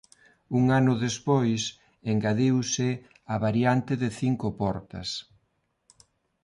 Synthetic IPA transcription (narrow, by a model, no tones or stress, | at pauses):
uŋanʊðespojs | eŋɡaðiwsɪ | aβaɾjant̪ɪðɪθiŋkʊpɔɾt̪ɐ̰s